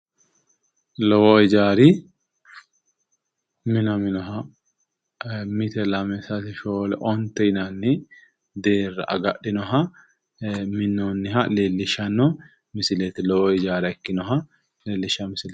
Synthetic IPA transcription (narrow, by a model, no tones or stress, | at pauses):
lɔwɔɪd͡ʒaːɾi | mɪnɐmɪnɔɦɐ | mɪt̪ɛlɐmɛsɐt̪ɪʃoːlɛʔɔnt̪ɛɪnɐnːɪ | d̪eːrːɐʔɐ̰ɡɐɗɪnɔɦɐ | mɪnːonːɪɦɐleːlːɪʃɐnːɔ | mɪsɪlɛt̪ɪlɔwɔɪd͡ʒaːɾɛɛkːɪnɔɦɐ | leːlːɪʃɐmɪsɪl